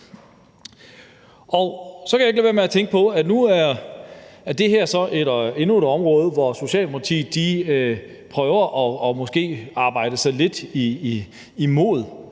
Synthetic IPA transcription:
ɒsɒ̽kʰæjaeɡ̥liʋeɐmeæt͡sʰeŋɡ̥̚pʰɒ̽ænuæɐ | æɐd̥e̝ɦæɐ̰sɒ̽ʔe̝de̝nue̝d̥ɒ̽mʁɔ̽ːð̞ˠʋɒso̝ɕɛ̰ːlpʰɑ̈t͡sʰḭːd̥i | pʰʁœːʊɐʔɒ̽ɒmɔ̽sɡ̥e̝̰ːɑ̈ːb̥ɑ̈ɪ̰d̥əsɑ̈ɪle̝d̥iː | mo̝̰ːð̩ˠ

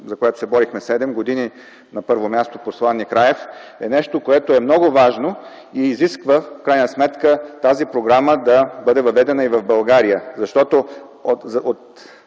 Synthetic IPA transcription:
zɐkoɛt̪osɛbɔɾixmɛsɛd̪ɛmɡod̪ini | nɐpɤɾvomʲjast̪oposlˠanːikɾaɛfɛnɛʃt̪okoɛt̪oɛmnɔɡovaʒno | iːziskvəfkɾajnəsmɛt̪kət̪azipɾoɡɾaməd̪ɐbɤd̪ɛvɐvɛd̪ɛnəivɐvbɐlˠɡaɾijəzɐʃt̪ɔt̪o | ozot̪

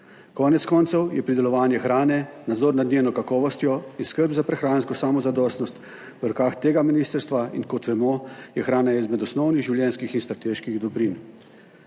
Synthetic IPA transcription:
kɔːnɛt̪skɔːnt̪sɔwjɛpɾid̪ɛlɔʋaːnjɛxɾaːnɛnad̪zɔːɾnad̪nʲeːnɔkakɔːʋɔst̪jɔinskəɾbzapɾɛxɾaːnskɔsaːmɔzad̪ɔːst̪nɔst̪ | ʋəɾɔkaːxt̪eːɡaminiːst̪əɾst̪ʋaḭnkɔt̪ʋɛmɔjɛxɾaːnaizmɛd̪ɔsnɔwniɣʒiwljɛnskixinst̪ɾat̪eːʃkiɣd̪ɔbɾin

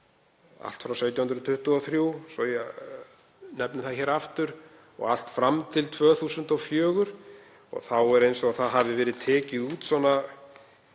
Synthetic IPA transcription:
a̰l̥t̪fɾawsɛjt̪jawhʏnd̪ɾðt̪ʰʏht̪ʏɔθɾjusɔjɛ | nɛpnʏθaçɛːɾaft̪ʏɾ | ɔ̰ɣal̥t̪fɾamt̪ʰɪlt̪ʰvœːθuːsʏnt̪ɔwfjœːɣʏɾ̥ | ɔ̰ɣθawɛɾejnsɔaθaðɦavðɪvɛːɾɪðt̪ʰɛːcɪðuːt̪sɔnːa

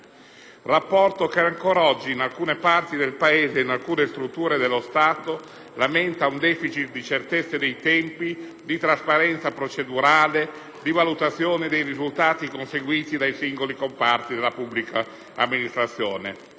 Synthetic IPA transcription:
rapːɔrt̪okɛaŋkɔːɾaɔd͡ʒːiːnalkuːnepart̪id̪elpaeːzeinalkuːnest̪ɾut̪ːuːɾed̪elːost̪aːt̪o | lamɛnt̪aund̪ɛːfit͡ʃit̪̚d̪it͡ʃert̪et̪sːed̪ejt̪ɛmpi | d̪it̪ɾaspaɾɛnt̪sapɾot͡ʃed̪uɾaːle | d̪ivalut̪at̪sːjɔːned̪ejrizult̪aːt̪ikonseɡwiːt̪id̪ajsiŋɡolikompart̪id̪elapubːlika | amːinist̪ɾat̪sːjɔːne

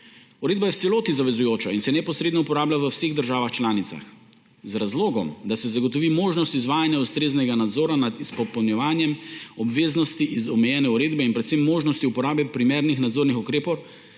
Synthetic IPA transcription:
uɾeːd̪bajɛtsɛloːt̪izaʋɛzujoːt͡ʃainsɛnɛpɔsɾeːd̪nɔupɔɾaːblʲaʋəwseːɣd̪əɾʒaːʋaxt͡ʃlaːnit̪sa̰x | zɾazloːɡɔmd̪asɛzaɡɔt̪ɔʋimoːʒnɔst̪izʋaːjanjaust̪ɾeːznɛɡanad̪zoːɾanat̪ispɔpɔwnjɛʋaːnjɛmɔbʋeːznɔst̪iʔizɔmɛjɛːnɛuɾeːd̪bɛinpɾɛt̪semːoːʒnɔst̪iupɔɾaːbɛpɾimeːɾnixnad̪zoːɾnixukɾeːpɔw

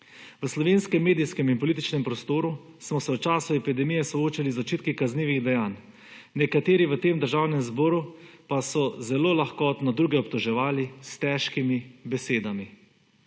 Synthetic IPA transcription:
ʋəslɔʋeːnskɛmːeːd̪ijskɛminpɔliːt̪̬it͡ʃnɛmpɾɔst̪oːɾu | smɔsɛwt͡ʃaːsuɛpid̪ɛmijɛsɔoːt͡ʃalizɔt͡ʃiːt̪̚kikazniːʋiɣd̪ɛjaːnː | ɛkat̪eːɾiʋət̪eːmd̪əɾʒawnɛmzbɔːɾu | pasɔzɛloːlaxkɔt̪nɔd̪ɾuːɡɛɔpt̪ɔʒɛʋaːlist̪ɛːʃkimibɛseːd̪ami

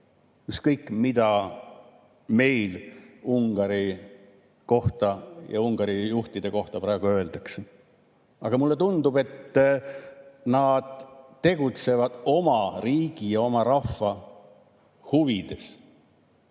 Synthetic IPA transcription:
jykskɤjkːˑmid̪ɑ | me̞jluŋɡ̥ɑɾi | ko̞ht̪ɑjɑ̰uŋɡ̥ɑɾijuht̪id̪̥e̞ko̞ht̪ɑpɾɑeɡ̥uø̞ːld̪ɑkse | ɑɡ̥ɑmulːe̞t̪und̪̥ub̥e̞t̪ː | nɑːd̪̥t̪ːe̞ɡ̥ut̪se̞vɑd̪̥o̞mɑriːɡ̥ijɑo̞mɑɾɑfːɑ | huvid̪̥e̞s

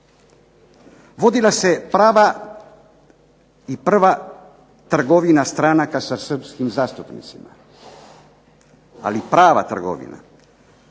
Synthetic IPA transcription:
ʋo̞d̪ilase̞pɾaːʋa | ipr̩ʋa | t̪r̩ɡo̞ʋinast̪ɾanakasasr̩pskimzaːst̪upnḭt̪sima̰ | a̰lipɾaːʋa̰t̪r̩ɡo̰ʋḭna̰

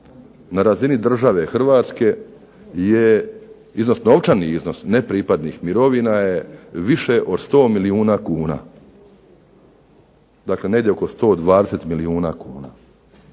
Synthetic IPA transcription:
naɾazinid̪r̩ʒaʋe̞xr̩ʋaːt̪ske̞ | je | izno̞sno̞ʋt͡ʃaniizno̞snepɾipad̪nixmiɾo̞ʋinajeʋiʃe̞ʔo̞d̪st̪o̞ːmiliuːnaːkuːna̰ː | d̪aːkle̞neɡd̪jeoko̞st̪o̞ːd̪ʋaːd̪eset̪miliuːna̰ːkuːna̰ː

